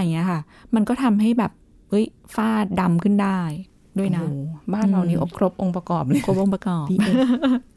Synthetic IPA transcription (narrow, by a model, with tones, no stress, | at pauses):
ʔa˧jŋi˦˥ɐkʰa˥˩ | ma˧nkɔː˥˩t̪ʰa˧mɦa˥˩jbɛː˨˩p̚ | ʔɤ˦˥j | faː˥˩da˧mkʰɯ˥˩ndaː˥˩j | du˥˩əjna˦˧˩baː˥˩nɾa˧wniː˦˥ʔo˨˩kʰɾo˦˥p̚ʔo˧ŋpɾa˧kɔː˨˩p̚ɯ˦˥kʰo˦˩p̚ʔo˧ŋpɾa˧kɔː˨˩˧